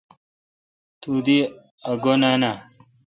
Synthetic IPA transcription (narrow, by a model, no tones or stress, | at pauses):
t̪ud̪i | ɐɡonana